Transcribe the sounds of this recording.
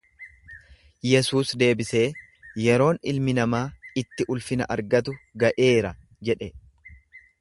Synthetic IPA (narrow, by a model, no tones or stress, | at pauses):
jɛsuːsd̪e̞ːbɪse̞ː | jɛɾo̞ːnɪ̰lmɪnɐmaːɪt̪ːɪʔʊlfɪnɐ̰ʔɐɾɡɐt̪ʊɡɐʔe̞ːɾɐ | d͡ʒɛᶑɛ